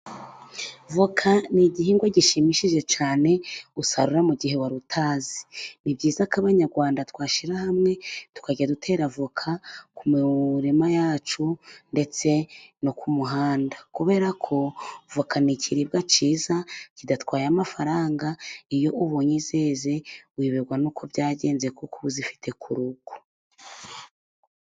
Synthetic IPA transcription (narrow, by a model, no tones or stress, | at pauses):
vokʰaniɟihiːŋɡwaɟiʃimiʃiʒe̞t͡ʃaːne̞usaɾuɾamuɟiɦe̞waɾutʰaːzi̥nibɟiːzakaβaɲaɾɡwaːndatkwaːʃiɾahamŋe̞tu̥kaɟadutʰe̞ːɾavokʰakumuɾimajaːt͡ʃunde̞t͡se̞nokumuɦaːndakuβe̞ːɾakʰo̞vukʰanicʰiɾib̚ɡat͡ʃiːzacidatwaːjamafaɾaːŋɡaijo̞ʔuβoːɲizeːze̞wiβeɡwanuːkʰo̞bjaːɟe̞ːnzekukuβuzifi̥tʰe̞kʰuɾuɡ̥o̥